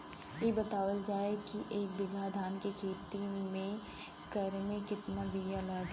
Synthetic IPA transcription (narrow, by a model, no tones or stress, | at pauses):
jebɐt̪aːʋəld͡ʒaːekiʔeːk̚bɪɡʱad̪ʱaːnkekʰeːt̪imẽ | kɐɾmẽkɪt̪naʋijalaɡ̪